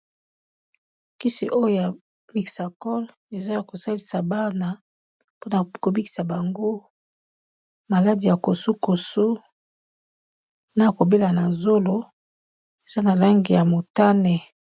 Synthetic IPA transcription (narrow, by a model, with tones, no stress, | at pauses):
ki˦sḭ˨ʔo˦jo˦ja˨ | mi˨ksa˨kɔ˦l | e˨za˦a˨ko˨sa˦li˨sa˨ba˦na˨ | po˦na˨ko˨bi˦ki̥˨sa˨ba˨ŋɡo˦ | ma˨la˦di˨ja˨ko˨su˦ko˨su˦ | na˦˨ko˨be˦la˨na˨zo˦lo˦ | e˨za˦na˨la˦ŋɡi˨ja˨mo˨ta˦ne˨